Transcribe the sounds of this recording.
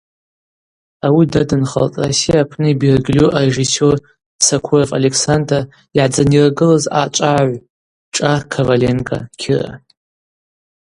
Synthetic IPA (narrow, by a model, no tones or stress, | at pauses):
awidadɨnχa̰ltʼrasijaːpʰnɨibirɡlʲuʔareʒiso̞r | sakʷʰurafa̰le̞kʰsanda | iʕd͡zaniraɡɨlaza̰t͡ʃʷʼaʕʕʷ | ʈ͡ʂʼakʰavale̞nkʼa̰kʲʰira̰